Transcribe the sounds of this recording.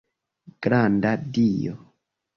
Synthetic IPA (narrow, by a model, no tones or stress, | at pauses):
ɡ̥ɾandadijɔ̰